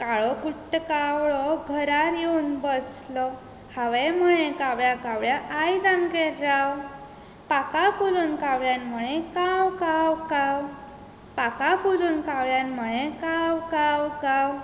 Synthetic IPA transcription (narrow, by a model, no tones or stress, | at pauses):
kaɭɔkuʈːkawɭɔɡʱəɾaɾjeunbəslɔ | haʋeməɭẽkawɭjakawɭjaʔajd͡zamkeɾɾaw | pakafuluːnkawɭjanməɭẽkawkawkaw | pakafuluːnkawɭjanməɭẽkawkawkaw